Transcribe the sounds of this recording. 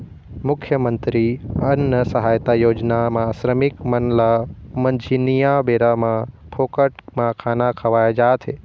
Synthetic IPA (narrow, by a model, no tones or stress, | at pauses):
mʊkʰjəmənt̪ɾiənːəsəɦajt̪ajoːd͡ʒnamãsɾəmɪkmənlamənd͡ʒʱinijabeɾamã | pʰokəʈmãkʰanakʰəʋajd͡ʒat̪ʰe